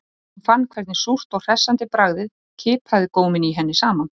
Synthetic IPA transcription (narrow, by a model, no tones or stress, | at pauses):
fanːkʰvɛɾt̪nɪsur̥t̪ɔɣr̥ɛsːant̪ɪpɾaɣðɪð | cʰɪːpʰaðɪkoːwmɪniɦɛnːɪsaːman